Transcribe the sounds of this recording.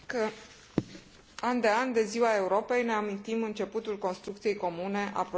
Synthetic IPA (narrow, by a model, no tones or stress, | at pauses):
kə | and̪e̞and̪e̞ziwae̞uɾo̞pe̞jne̞amint̪imɨnt͡ʃe̞put̪ulko̞nst̪ɾukt̪sije̞jko̞mune̞ʔa̰pɾ